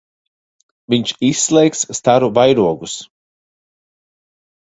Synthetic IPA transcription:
viɲt͡ʃisːlˠɛjksːt̪aɾuvajɾuɔɡus

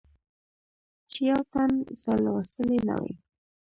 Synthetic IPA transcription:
t͡ʃjawt̪anzalawast̪əlena̰wḛj

